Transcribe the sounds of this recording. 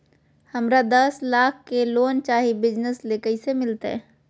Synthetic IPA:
hɐmɾad̪ɐslaːkʰkeloːnt͡ʃaːɦibɪd͡ʒnəsleːkəisemɪlt̪aɛ̰ː

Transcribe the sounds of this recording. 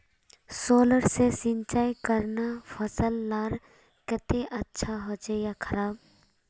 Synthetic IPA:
soːləɾsesɪ̃nt͡ʃaːikəɾnafʰəsəlːaːɾ | kət̪eʔətːʃʰaɦot͡ʃejakʰəɾaːb

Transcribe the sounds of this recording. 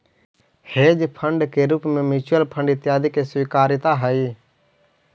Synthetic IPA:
heːd͡ʒpʰəɳɖkeːɾuːpmẽːmɪt͡ʃʊəlpʰə̃ɳɖɪt̪jaːd̪ikeswiːkaːɾɪt̪aɦəi

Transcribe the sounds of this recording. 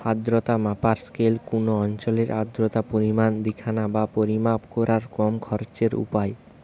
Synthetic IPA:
ad̪ɾot̪amapaɾskelkunoɔnt͡ɕoleɾʔad̪ɾot̪apoɾimand̪ikʰanabapoɾimapkoɾaɾkɔmkʰɔɾt͡ɕeɾṵpae

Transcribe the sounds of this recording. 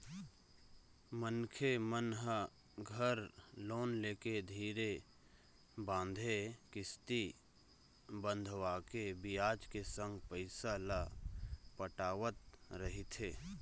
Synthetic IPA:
mənkʰemənɦə | ɡʱəɾloːnleːked̪ʱiːɾe | bãːnd̪ʱekɪst̪i | bə̃nd̪ʱʋaːkebɪjaːd͡ʒkesə̃ŋɡpəɪsala | pəʈaːʋət̪̚ɾəɦit̪ʰeː

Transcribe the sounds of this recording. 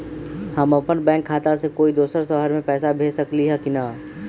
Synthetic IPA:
həmɐpənbɛ̃ːŋkʰːaːt̪asekoːid̪oːsəɾsəɦəɾmẽpɛːsabʱeːd͡ʒsəkliɦɛkina

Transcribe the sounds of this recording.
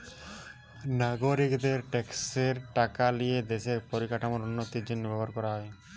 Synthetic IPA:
naɡoɾikd̪eɾʈekseɾʈakalijed̪eʃeɾpɔɾikaʈamoɾunːot̪id͡ʒinbɛbɔɾkɔɾaɦɔe

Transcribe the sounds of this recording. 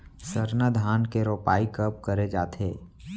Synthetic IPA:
səɾnad̪ʱaːnkeɾoːpaːikəp̚kəɾed͡ʒaːt̪ʰeː

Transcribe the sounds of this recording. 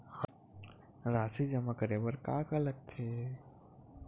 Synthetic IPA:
ɾaːsid͡ʒɐmakəɾebəɾkakɐləɡ̚t̪ʰeː

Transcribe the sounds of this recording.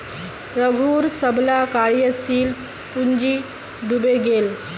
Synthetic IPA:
ɾəɡʱuːɾsəblakaɭjəsiːl | uɲd͡ʑi | ɖubeɡel

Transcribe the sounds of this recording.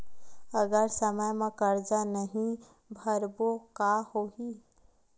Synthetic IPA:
əɡəɾsəməjmãkəɾd͡ʒanəɦĩ | bʱəɾbokahoɦi

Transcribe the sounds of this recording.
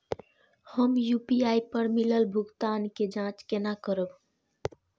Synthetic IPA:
həmjupiaipəɾmiləlbʱʊɡt̪aːnked͡ʒãt͡ʃkenakəɾəb

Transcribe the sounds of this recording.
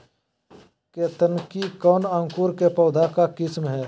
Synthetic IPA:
ket̪ənkikɔːnãːŋkuːɾkepɔːd̪ʱakakɪsmɦɛː

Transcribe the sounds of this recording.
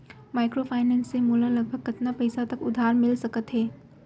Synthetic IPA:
maːɪkɾopʰaːɪnɛ̃ːnsːemuːlalɐɡ̚bʱəɡ̚kɐt̪napɐɪsat̪ɐkʊd̪ʱaːɾmɪlsɐkət̪ɦɛː

